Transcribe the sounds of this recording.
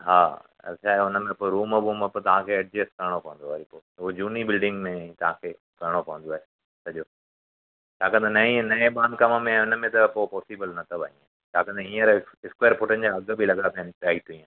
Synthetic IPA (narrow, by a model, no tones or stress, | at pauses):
ɦaː | ɐ̰t͡ɕʰaːeʊnə̆mẽpoɾuːməbuːməpt̪ɐʋ̤ãkʰeːɐʈ̚d͡ʑeskɐɾəɽ̃opɐʋə̃nd̪oaːɦepoːuod͡ʑuːnibɪlɖɪ̃ŋɡmẽt̪ɐʋ̤ãkʰeː | kɐɾɽ̃opɐ̃ʋə̃nd̪oaːɦeː | sɐʄoː | t̪aːkɐ̃nd̪anɐĩnɐẽbãːnkɐməmẽaʊnəmẽt̪ɐpopɔːsibəlnɐt̪ʰɐbɐɲĩ | t͡ɕaːkɐ̃nd̪eɦĩːə̃ɾɪskweːəɾpʊʈənɪ̆d͡ʑaːɐɡbʱilɐɡənapʰiãnpaːɦit̪ʰuĩːã